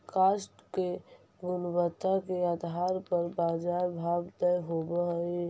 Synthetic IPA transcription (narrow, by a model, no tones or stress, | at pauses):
kaːsʈke | ɡʊnbət̪akead̪ɦaːɾpəɾbaːd͡ʒaːɾbʱaːbd̪əjɦobəɦi